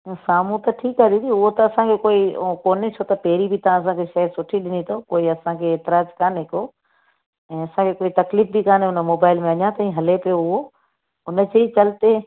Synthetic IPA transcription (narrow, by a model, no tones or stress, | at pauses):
saːm̤ũt̪ɐʈʰiːkaːd̪ĩt̪iʊɦot̪ɐɐsãkʰekoːikoːnet͡ɕʰot̪ɐpeːɾibʱɪt̪ɐãːs̬ãkʰeʃɐɦsʊʈʰiɗɪnit̪ʰoːkoːiɐsãkʰeeːt̪ɪɾaːd͡ʒkaːnɦɪko | ɛ̃ːɐsãkʰekoːit̪ɐkliːfbʱikaːnʊnəmoːbaːɪlmẽɐɲãt̪ɐĩɦɐlepɪjoʊɦo | ʊnə̆d͡ʑeːit͡ɕɐlt̪e